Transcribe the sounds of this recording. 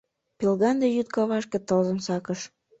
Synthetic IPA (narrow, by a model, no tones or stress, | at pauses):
pelɣɑnd̪ejyt̪̚kɑβɑʃkĕt̪ɤlzənsɑkəʃ